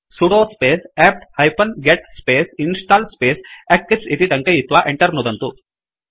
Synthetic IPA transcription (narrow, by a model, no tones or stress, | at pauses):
suɽoːspeːsɛːp̚ʈhɐjpʰɐnɡeʈ̚speːsinsʈaːlspeːsekːipsit̪iʈ̪ɐŋkɐjit̪ːʋaːʔeɳʈɐɾnud̪ɐnt̪u